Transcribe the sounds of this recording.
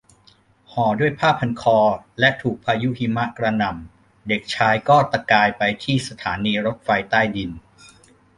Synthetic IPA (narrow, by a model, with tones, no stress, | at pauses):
hɔː˨˩˦du˥˩əjpʰaː˥˩pʰːa˧nkʰɔː˧lɛ˦˥t̪ʰuː˨˩k̚pʰaː˧ju˦˥ʔhi˧ma˦˥ʔkɾa˧na˨˩m | de˨˩k̚t͡ɕʰaː˧jkɔː˥˩t̪a˧kaː˧jpa˧jt̪ʰiː˥˩sa˧t̪ʰaː˩˦niː˧ɾo˦˥t̪̚fa˧jt̪aː˥˩jdi˧n